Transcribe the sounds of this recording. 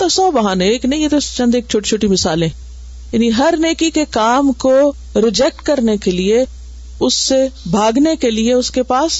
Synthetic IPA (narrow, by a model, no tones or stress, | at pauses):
t̪osɔːbɐɦaːnẽeːknɐɦĩjet̪oɪst͡ʃɐ̃nd̪eːk̚t͡ʃʰoːʈit͡ʃʰoːʈimɪsaːlɛ̃ː | jaːniɦɐɾneːkikekaːmko | ɾɪd͡ʒɛk̚ʈkɐɾnekelie | ʊsːebʱaːɡnekelieʊskepaːs